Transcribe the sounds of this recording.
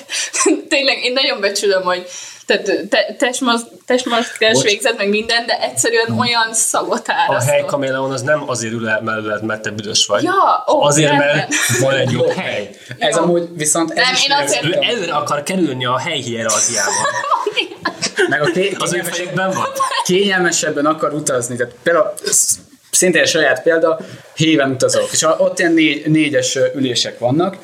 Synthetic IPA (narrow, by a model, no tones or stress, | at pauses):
t̪eːɲlɛɡeːnːɒɟo̞ɱbɛt͡ʃylømho̞ɟt̪aːt̪ːt̪ɛt̪ɛʃmɔ | t̪ɛʃmɒskkɛʃʋeːɡzɛt̪mɛɡmind̪ɛnd̪ɛʔɛcʲsɛɾyɛno̞jɒnsɒɡo̞t̪aːɾɦɛjkɒmelːaonɒznɛmɒzeːɾylɛmɛlːlɛt̪mɛrt̪ːɛbyd̪øʃʋɒɟjɒːoɒzeːɾɛrvɒnɛɟjohɛj | jɛzmuːɟʋiso̞nt̪ɛziʃøɛløːɾɛɒkɒrkɛɾylniɒɦɛjɦiɛɾziaːbɔ̰n | mɛɡɒkeɒzøːfɛjiɡbɛɱvɒnkeːɲɛlmɛʃɛbːɛnɒkɒɾut̪ɒznit̪aːt̪peːld̪a | sint̪eːɛʃɒjaːt̪peːld̪ɒ | heːvɛnut̪ɒzok̪eːʃɒʔot̪ːiɛnːeːɟːeːɟɛʃøyleːʃɛkʋɒnːɒk